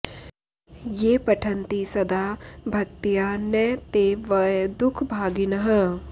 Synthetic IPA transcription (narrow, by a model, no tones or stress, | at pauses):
jeːpɐʈʰɐ̃nt̪isɐd̪aːbʱɐk̚t̪ijaːnɛt̪eːʋəd̪ʊkʰbʱaːɡɪnɐɦə